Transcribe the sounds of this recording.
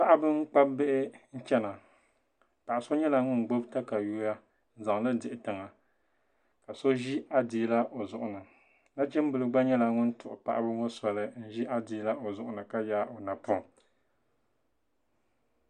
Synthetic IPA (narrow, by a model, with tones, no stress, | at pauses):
pa˦ʔa˦bɨ˦ŋ̩˦k͡pa˦bɪ˦ʔɪ˦n̩˦t͡ʃɛ˦na˨ | pa˨ʔa˨so˦ɲɛ˦la˨ŋʊ˦n˨ɡ͡bo˦bta˦ka˨juː˦ja˦ | n̩˦za˨ŋlɨ˦dɪ˨ʔɪ˨tɨ˨ŋa˨ | ka˨so˦ʒi˦ʔa˦di˨˦la˦ʔo˨zʊ˨ʔʊ˨nɨ˨ | na˦t͡ʃɛ˦m˦bɨ˨lɨ˦ɡ͡ba˦ɲɛ˦la˨ŋʊ˦n̩˦tʊ˨ʔʊ˨pa̰˨ʔbɨ˦ŋo˦sa˨lɨ˨˦n̩˦ʒi˦ʔa˦di˨˦la˦ʔo˨zʊ˦ʔʊ˦nɨ˨ka˦ja˦ʔo˨na˨pʊ˦˨